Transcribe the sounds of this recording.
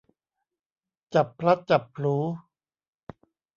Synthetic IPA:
t͡ɕa˨˩pʰːla˦˥t̪̚t͡ɕa˨˩pʰːluː˩˦˥

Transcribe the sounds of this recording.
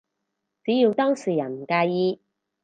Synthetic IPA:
t͡siː˨˥jiː˧wt̪ɔː˥ŋsiː˨˩jɐ˨˩nm̩˨˩kaː˧jjiː˧

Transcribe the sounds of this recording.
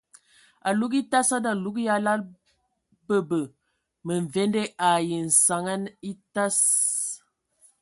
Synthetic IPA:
a˨lu˦ki˦ta˦sa˦da˨lu˦ɡja˦la˦l | bə˦bə˨ | mə˨ɱ˨ve˦nde˦ʔa˨jə˨n̩˨sa˨ŋa˦ni˦ta˦s

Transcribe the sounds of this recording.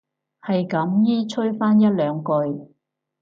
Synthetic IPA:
hɐ˨jkɐ˨˥mjiː˥t͡ʃʰɵ˥ɥfaː˥njɐ˥t̚lœː˨˧ŋkɵ˧ɥ

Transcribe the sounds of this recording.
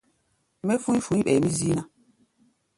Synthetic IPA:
me˦fũ˦i˦fũ˨˦ĩ˦ɓɛ˨mi˦zi˦na˦

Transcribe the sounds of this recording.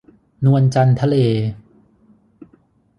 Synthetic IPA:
nu˧ənt͡ɕa˧nt̪ʰa˧leː˧

